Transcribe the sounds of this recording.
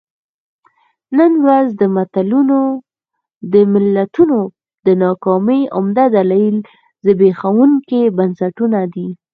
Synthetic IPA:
nənwɾazd̪əmat̪aluno | d̪əmɪlːat̪uno | d̪ənɑkɑmiʔʊmd̪ad̪alɑil | zəbexawuŋkebansaʈunad̪i

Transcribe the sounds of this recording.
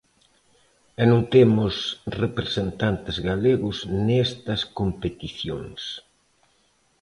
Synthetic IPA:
ɛnũŋt̪emʊsrepɾesent̪ant̪ezɣaleɣʊsnest̪ɐskompet̪iθjo̰ŋs

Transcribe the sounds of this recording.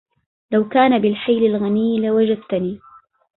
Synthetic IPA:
lawkaːnabɪlħajlalɣaniːlawad͡ʒad̪̚t̪aniː

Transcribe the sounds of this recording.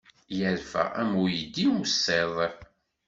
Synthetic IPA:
jəɾfæ̰æ̰mujəd̪ːiwsːeðˤ

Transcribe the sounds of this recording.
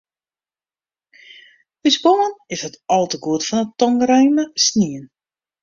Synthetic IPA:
ysbomənɪshətɔlˠtəɡuətfɔnətɔŋrɛjnəsniən

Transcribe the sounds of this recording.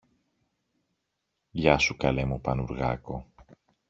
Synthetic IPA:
ʝɐsukɐle̞mupɐnuɾɣɐ̰ko

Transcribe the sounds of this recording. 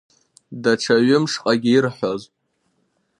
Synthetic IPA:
daʈ͡ʂʰaɥʊmʂqʼaɡʲiɪrħʷoz

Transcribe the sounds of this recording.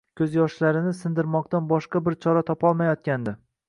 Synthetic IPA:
kʰʲɵzjɒʃlaɾɪnɪsɪnd̪ɪɾmɒq̚t̪anbɒʃqɑbɪɾt͡ʃʰɒɾat̪ʰɒpɒlˠmajɒt̪̚kʲand̪ɪ

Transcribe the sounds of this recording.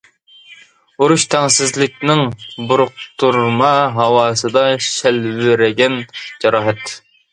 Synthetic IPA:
uɾuʃt̪ʰɛŋsɪzlɪk̚ʲnɪŋbuɾʊq̚t̪ʰuɾmɑɦɑwɑːsɨd̪ɑʃælvɪɾɪɡʲɛnd͡ʒɑɾɑːɦɛt̪

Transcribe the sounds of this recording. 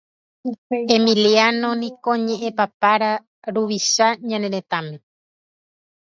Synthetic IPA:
e̞mĩlianõ̞nĩkoɲẽʔẽpapaɾa | ɾuʋiʃaɲãne̞ɾẽ̞t̪amẽ̞

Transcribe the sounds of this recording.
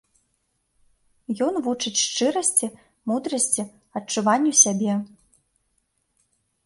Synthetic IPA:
jɔnvut͡ʂɨt͡sʲʂt͡ʂɨɾɐsʲt͡sʲi | mud̪ɾɐsʲt͡sʲi | ɐt͡ʂuvanʲːɛsʲabʲɛ

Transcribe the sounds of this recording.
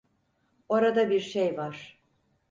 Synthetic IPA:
oɾad̪abiɾʃejvaɾ̥

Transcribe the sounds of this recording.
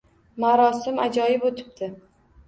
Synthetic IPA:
maɾɒsɪmad͡ʒɒjɪbot̪ʰɪ̥b̚t̪ʰɪ

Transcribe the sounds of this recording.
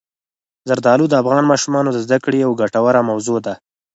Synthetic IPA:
zaɾd̪ɑlud̪əafɣɑnmɑʃumɑnod̪əzd̪akɽeawɡaʈawaɾamawzod̪a

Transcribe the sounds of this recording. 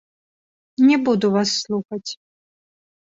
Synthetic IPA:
nʲɛbud̪uvasːlˠuxɐt͡sʲ

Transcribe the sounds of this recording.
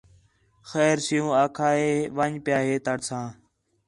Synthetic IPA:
xɛːɾsɪjũːaːkʰaːɦeːʋəɲpjaːɦeːt̪əɽsãː

